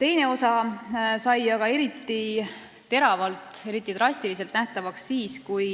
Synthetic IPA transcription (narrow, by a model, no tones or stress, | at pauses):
t̪e̞jne̞o̞sɑsɑjɑɡ̥ɑe̞ɾit̪ːˑi | t̪e̞ɾɑvɑlt̪ˑe̞ɾit̪ːˑit̪rɑsʲt̪ilis̬e̞lt̪næht̪ɑvɑksːiːskuj